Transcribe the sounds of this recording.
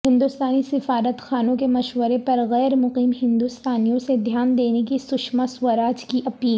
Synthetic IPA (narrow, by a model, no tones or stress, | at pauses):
ɦɪ̃nd̪ʊst̪aːnisɪfaːɾət̪xaːnõkemɐʃʋəɾepɐɾɣɛːɾmʊqiːmɦɪ̃nd̪ʊst̪aːnijõsed̪ʱjaːnd̪eːnekisʊʃmasʋɐɾaːd͡ʒkiʔɐpiːl